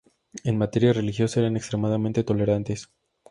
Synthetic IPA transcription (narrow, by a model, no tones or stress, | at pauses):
e̞nmat̪e̞ɾjare̞lixjo̞saeɾanekst̪ɾe̞maðamẽnt̪e̞t̪o̞le̞ɾant̪e̞s